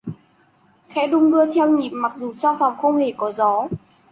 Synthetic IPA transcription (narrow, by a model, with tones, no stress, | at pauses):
xɛ̰˧˥ɗʊ˧ŋ͡mɗɨ˧ət̪ʰɛ˧wɲi˨˩p̚ma˨˩k̚zu˨˩t͡ɕa˧wfa˨˩wŋ͡mxə˧wŋ͡mhe˧˩kɔ˨˦zɔ˨˦